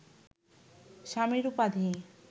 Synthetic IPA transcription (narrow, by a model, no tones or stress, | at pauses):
ʃamiɾupad̪ʱi